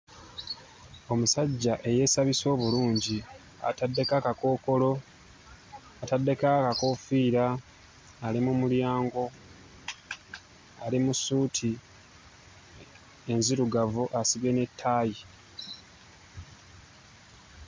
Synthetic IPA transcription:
o̞musaɟːaʔe̞je̞saβiso̞ːβuluːɲɟi | a̰tadːe̞kakako̞ːko̞lo̞ | atadːe̞kakako̞fiːɾaː | limumuljaːŋɡo̞ | alimusuːtʰi | e̞nziɾuɡavuʔasiβjene̞tʰːaːji

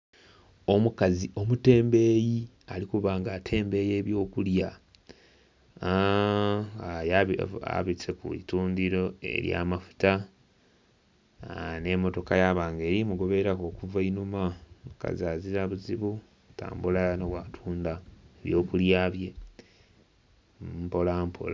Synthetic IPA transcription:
omukazio̞mute̞ːmbe̞ːji | alikuβaːŋɡatʰe̞ːmbe̞je̞ːβjo̞ːkulja | ajaa̰βit͡sekṵḭtuːndiɾo̞e̞̰ɾja̰ːmafu̥ta | ne̞mo̞to̞kajaβaːŋɡe̞ːɾimuɡo̞βe̞ɾako̞ːkuvainumaka̰zaziɾaβuziβu | ta̰ːmbulanoβwatʰuːndaeβjo̞ːkuljaβje̞ | mpo̞lampʰo̰la

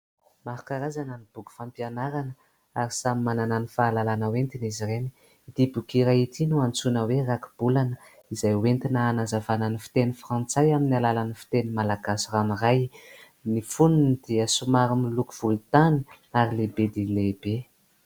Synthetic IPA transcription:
maɾukaɾazananib̥uɡu̥fampianaɾanə | aɾisamimanananifaːlalanəwent̪inizireni | id̪̥ibukiɾait̪inuant͡sunəweraku̥b̥ulanə | izajwent̪inaːnazavananifi̥t̪enifrãnt͡sajaminialalanifi̥t̪enimalaɡasiraniraj | nifununid̪̥iəsumaɾumilukuv̥ult̪ani | aɾilebed̪ilebe

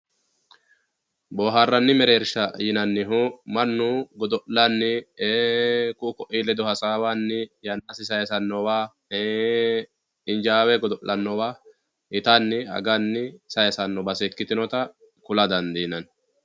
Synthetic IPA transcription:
boːɦaːrːɐnːɪmɛɾeːɾʃɐjɪnɐnːɪɦumɐnːuɡɔd̪ɔʔlanːɪeːkʊʔʊkɔʔiːlɛd̪ɔhɐsaːwanːɪjɐnːasɪsɐjɐsɐnːɔwaː | ɪnd͡ʒaːwɛɡɔd̪ɔʔlːɐnːɔwaː | ɪt̪anːɪɐ̰ɡɐnːɪsɐjɐsɐnːɔbɐsɛkːɪt̪ɪnɔt̪ɐ | kʊlɐd̪ɐnd̪iːnɐn

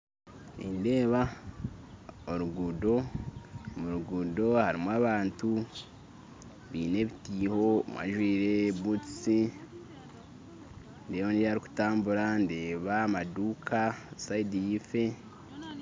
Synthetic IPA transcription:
nḭnde̞ːβa | oɾuɡudo̞ | muɾuɡudo̞haɾimwaβaːntu | βiːne̞βitiːho̞mwʔa̰ʒwiːɾe̞βut͡si | ndeːβoniaɾiku̥taːmbuɾande̞ːβamaduːkʰasaidijife̞

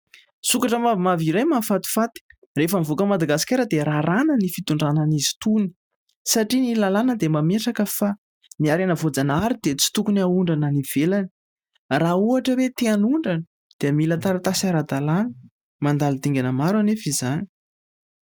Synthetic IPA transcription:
sukaʈ͡ʂəmavimaviɾajmafat̪i̥fat̪i̥ | refamivokəmad̪aɡasi̥kʲaɾəd̪eɾaɾanənifit̪uɳɖ͡ʐananizi̥t̪uni̥ | saʈ͡ʂinilalanəd̪emameʈ͡ʂakəfa | niaɾanəvod͡zanaɾid̪̥et͡si̥t̪ukunauɳɖ͡ʐananiv̥elani̥ | rauaʈ͡ʂəwet̪eanuɳɖ͡ʐanə | d̪̥eamilət̪aɾat̪asaɾad̪alanə̥ | mand̪alit̪iŋɡʲanəmaɾanefizani

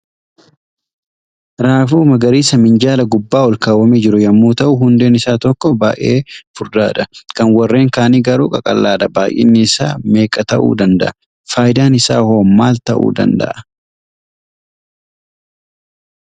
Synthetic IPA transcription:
ɾaːfuːmɐɡɐɾiːsɐmɪnd͡ʒaːlɐɡʊbːaːwɔlkaːwɐmiːd͡ʒɪɾʊjɐmːuːt̪ɐʔʊhʊnd̪e̞ːnɪsaːt̪ɔkːɔbaːʔeːfʊɾd̪a̰ːᶑ̪ɐkɐnwɐrːe̞ːŋkaːniːɡɐɾuːkʼɐkʼɐ̰lːaːd̪ɐbaːʔḭːnːɪːsa̰ːme̞ːkʼɐt̪ɐʔṵːd̪ɐnd̪ɐ̰ʔɐ | faːjd̪aːnɪsa̰ːhoːmːaːlt̪ɐʔṵːd̪ɐ̰nd̪ɐ̰ʔɐ

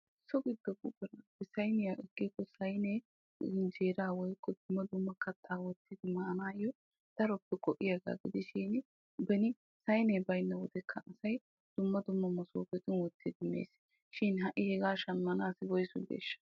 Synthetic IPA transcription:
sɔɡɪd̪ːɔɡʊbɛnɐbɛsɐjnɪjaʔɛɡʼːɪkːɔsɐjne | ɪnd͡ʒeːɾaːwɔjkʰːɔd̪ʊmːɐd̪ʊmːɐkɐt̪ʰːaːwɔt̪ːɪd̪ɪmɐʔɐnaːjɔ | d̪̥ɐɾɔpːɛkɔʔɪjɐɡa̰ːɡɪd̪ɪʃiːn | bɛnɪ | sɐjneːbɐjnːɐwɔd̪ɛkʰːɐʔɐsɐj | d̪̥ʊmːɐd̪ʊmːɐmɐsoːbɛt̪ɪnwɔt̪ːɪd̪ɪmḛːs | ʃɪnɦɐʔɪhɛɡaːʃɐnmːɐnaːsɪbɔjsʊ̰ɡḛːʃːɐ̥

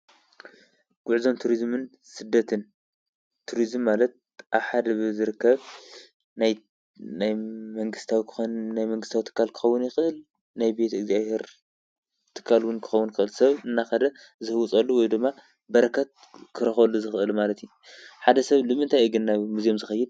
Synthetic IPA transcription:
ɡ̥uʕzo̞mt̪ʰuɾizmɨn | sɨd̪ːɐt̪ʰɨn | t̪ʰuɾizmːalɐt̪̚ | ʔaβħad̪ɐβɨzɨɾɨkːɐβ | naj | najmɐŋɡɨst̪ʰawikʰɨ̥najmɐŋɡɨst̪awit̪ʰɨ̥kːalkʰɨ̥xɐwːʊnjɪxʔɨl | najbe̞t̪ɨɡzijaβhe̞ɾ | t̪ʰɨ̥kʰːalwʊnkʰɨ̥xɐwːunkɨʔɨlsɐβɨnːaxɐd̪ɐ | zɨhɨwʊt͡sʼɐlːuwɔjd̪ɨmːa | bɐɾɐkʰɐt̪̚ | kʰɨɾɐxɐlːuzɨxɨʔɨlmalɐt̪ju | ħad̪ɐsɐβlɨmɨnt̪ʰajiɡɨnːaβmuzijo̞mzɨxɐjːɪd̪̚

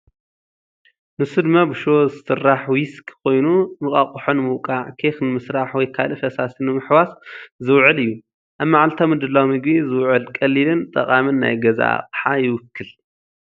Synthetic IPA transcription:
nɨsɨd̪mabɨʃozɨsɨrːaħwiskʰkʰo̞jnumɨkʼakʼuħonmɨwkʼaʕkʰexnɨmɨsɾaħwɔjkʰalɨfɐsasinɨmɨħwaszɨwʕɨlɨjːu | ʔaβmaʕalt̪ʰamɨd̪ɨlːawmɨɡβizɨwʕɨlkʼɐlːilɨnt̪ʼɐkʼamɨnːa̰jɡɐza̰qʼħajɪwʊkːɨl

